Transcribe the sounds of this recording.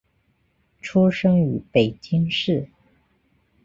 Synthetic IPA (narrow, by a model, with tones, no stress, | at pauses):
ʈ͡ʂʰu˥ʂɤ˥ŋy˧˥pe˨˩ɪt͡ɕi˥ŋʂɻ̩˥˩